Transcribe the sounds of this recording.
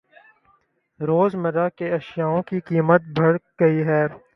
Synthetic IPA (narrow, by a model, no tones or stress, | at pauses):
ɾoːzmɐɾakeɐʃjaːõkikiːmət̪̚bʱɐɽɡɐiɦɛː